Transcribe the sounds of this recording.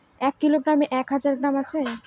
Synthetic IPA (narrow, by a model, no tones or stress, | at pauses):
ɛkːiloɡɾameʔɛkɦad͡ʑaɾɡɾamat͡ɕʰe